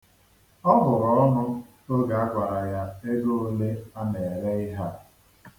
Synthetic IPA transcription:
ɔ˦ɦʊ˨ɾɔ˨ɔ˦nʊ˦ | o˦ɡa˨a˦ɡʷa˨ɾa˨ja˦e˦ɡo˦o˦le˦a˦ne˨ɾe˦ɪ˦ɦa˦

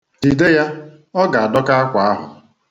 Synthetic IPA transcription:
di˨de˦ja˦ | ɔ˦ɡa˨a˨dɔ˦ka˦a˦kʷa˨a˦ɦʊ̰˨

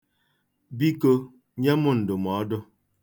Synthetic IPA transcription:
bi˦kə˦ | ɲɛ˦mo˦˨n̩˨do˨mɔ˨˦do˦

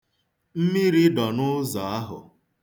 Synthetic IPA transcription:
m̩˦mi˦ɾi˦dɔ˨nʊ˦zɔ˨a˦ɦʊ̰˨

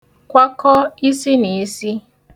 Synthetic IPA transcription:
kʷa˦kɔ˦i˦si˦ni˨i˦si˦

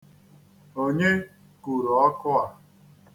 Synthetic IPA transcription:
o˦ɲe˦ | ku˨ɾɔ˨ɔ˦kʊ˦a˨

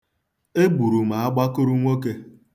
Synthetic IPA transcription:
e˦ɡ͡bu˨ɾu˨m̩a˨a˦ɡ͡ba˦kʊ˦ɾu˦ŋʷo˦ke˦

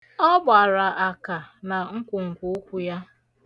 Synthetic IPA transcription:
ɔ˦ba˨ɾa˨ʔa˨ka˨na˨ŋ̩˦kʷʊ˨ŋ̩˨kʷu˦o˦kʷu˦ja˦

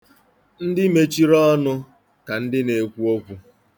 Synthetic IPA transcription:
n̩˦dɪ˦me˦t͡ʃi˦ɾɔ˦nʊ˦ | ka˨n̩˦dɪ˦ne˨kʷu˦o˦kʷu˦

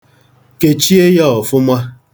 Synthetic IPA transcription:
ke˨t͡ʃi˦e˦ja˦ɔ˨fʊ˦mʷa˦

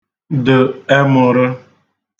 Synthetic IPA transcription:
dʊ˨e˦mʊ˨ɾʊ˦

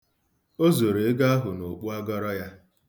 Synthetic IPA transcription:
o˦zo˨ɾe˨e˦ɡa˦a˦ɦʊ˨no˨k͡pu˦a˦ɡɔ˦ɾɔ˦ja˦

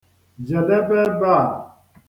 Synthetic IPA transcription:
d͡ʒɛ˨lɛ˦bɛ˦ba˦˨

